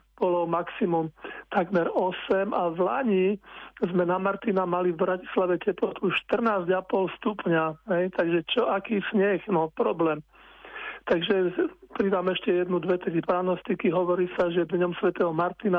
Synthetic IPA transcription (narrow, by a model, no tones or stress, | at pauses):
b̥ɔlɔʊmaksimumt̪aɡmɛɾɔsɛmʔavla̰ɲizmɛnamaɾt̪inamalivbɾaci̥slaʋɛcɛplɔt̪uʃt̪r̩naːzɟapɔlst̪upɲaɦɛjt̪aɡʒɛt͡ʃɔʔakiːsɲɪɛxmɔpɾɔblɛːm | t̪aɡʒɛpɾid̪aːmɛʃcɛjɛd̪nud̪ʋɛt̪ɾpɾanɔst̪ikiɦɔʋɔɾiːsaʒɛd̪ɲɔmsʋɛt̪ɛɦɔmaɾt̪ina